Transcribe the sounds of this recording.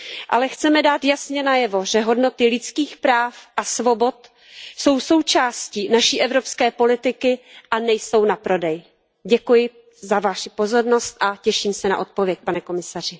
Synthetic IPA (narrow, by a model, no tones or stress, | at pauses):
ʔa̰lɛxt͡sɛmɛdaːt̪jasɲɛnajɛvo̞ʒɛɦo̞dno̞t̪ɪlɪt͡skiːxpɾaːfʔasvo̞bo̞t̪ | so̞wso̞wt͡ʃaːscinaʃiːʔɛvɾo̞pskɛːpo̞lɪt̪ɪkɪʔanɛjso̞wnapɾo̞dɛj | ɟɛkujɪ | zavaʃɪpo̞zo̞ɾno̞st̪ʔacɛʃiːmsɛna̰ʔo̞t̪̚povjɛc̚panɛko̞mɪsar̝ɪ